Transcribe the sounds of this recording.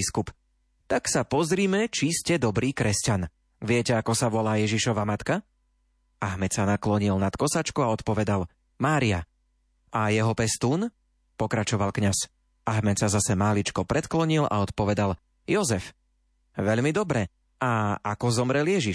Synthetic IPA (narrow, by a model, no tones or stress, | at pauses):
skup | t̪aksapɔzɾiːmɛt͡ʃiscɛd̪ɔbɾiːkɾɛscan | ʋɪɛcɛakɔsaʋɔlaːjɛʒiʃɔʋamat̪ka | ʔaɦmɛtsanaklɔɲilnat̪kɔsat͡ʃkuaɔt̪pɔʋɛd̪al | maːɾia̰ | ʔajɛɦɔpɛst̪uːn | pɔkɾat͡ʃɔʋalkɲas | aɦmɛt̪sazasɛmalit͡ʃkɔpɾɛt̪klɔɲila̰ɔt̪pɔʋɛd̪al | jɔzɛf | ʋɛʎmid̪ɔbɾɛ | aakɔzɔmɾɛljɛʒiʃ